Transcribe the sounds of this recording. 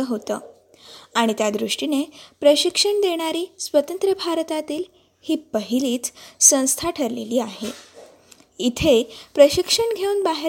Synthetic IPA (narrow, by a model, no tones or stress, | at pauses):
əɦot̪ə̰ː | aɽ̃it̪jad̪ɾuʂʈinepɾəɕikʂəɳd̪eɽ̃aɾiːsʋət̪ənt̪ɾəbʱaɾt̪at̪iːl | hiːpəɦiliːt͡ssə̃w̃st̪ʰaʈʰəɾleliːaɦe | it̪ʰepɾəɕikʂəɳɡʱeunbaɦe